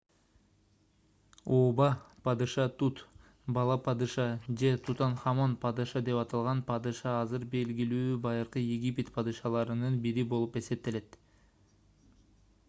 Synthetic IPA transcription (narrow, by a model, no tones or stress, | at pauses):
oːbɑpɑd̪ɨʃɑt̪ut̪ | bɑlˠɑpɑd̪ɯʃɑd͡ʒe̞t̪ʰut̪ɑnχɑmonpʰɑd̪ɯʃɑd̪e̞pɑt̪ɑlˠʁɑnpʰɑd̪ɯʃɑɑzɯɾbe̞lɡilyːbɑjɯɾqɯjeɡʲipʲet̪pʰɑd̪ɯʃɑlˠɑɾɯnɯnbiɾibo̞lˠupe̞se̞p̚t̪e̞le̞t̪